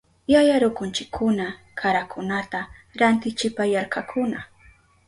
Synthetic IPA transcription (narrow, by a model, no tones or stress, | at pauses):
jajaɾʊkʊnt͡ʃɪkʰːʊna | kʰaɾakʰʊnat̪aɾant̪ɪt͡ʃɪpajaɾkakʰʊna